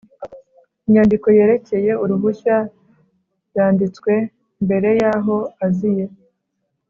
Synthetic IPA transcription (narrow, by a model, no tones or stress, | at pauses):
iɲandiko̞je̞ːɾe̞ce̞je̞uɾuβuça | ɾjaːndit͡skwe̞ | mbe̞ɾe̞jaːɦo̞azije̞